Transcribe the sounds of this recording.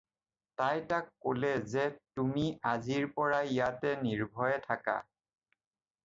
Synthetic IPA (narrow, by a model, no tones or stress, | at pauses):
tajtakːolɛzɛtumiaziɹpɔɹaijatɛniɹbʱɔjɛtʰaka̰